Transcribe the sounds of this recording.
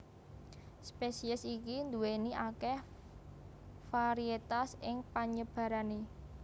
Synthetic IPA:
spesiəsikind̪uweniʔakɛh | faɾiet̪asɪŋpaɲəb̥a̤ɾane

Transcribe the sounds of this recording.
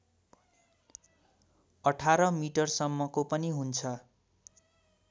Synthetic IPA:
ʌʈʰaɾʌmiʈʌrsʌmːʌkopʌniɦunt͡sʰʌ

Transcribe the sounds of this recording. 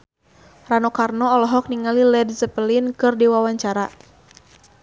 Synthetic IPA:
ranɔkarnɔɔlɔɦɔk̚niŋalilɛdzəpəlinkɨrdiwawaɲt͡ʃaɾa

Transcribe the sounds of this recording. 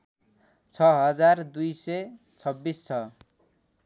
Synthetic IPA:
t͡sʰʌɦʌd͡zard̪ujsʌj | t͡sʰʌbːist͡sʰʌ

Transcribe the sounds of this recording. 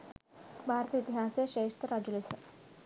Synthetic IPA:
bʱaːɾət̪ɐit̪iɦaːseʃeːʂt̪əɾad͡ʒulisɐ

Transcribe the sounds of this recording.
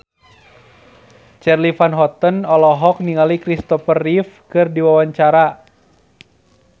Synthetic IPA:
t͡ʃɛrlifanɦɔt̪ənɔlɔɦɔk̚niŋalikɾist̪ɔfərifkɨrdiwawaɲt͡ʃaɾa

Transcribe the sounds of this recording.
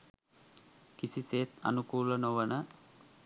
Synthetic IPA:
kisiseːt̪a̰nukuːlənoʋənə

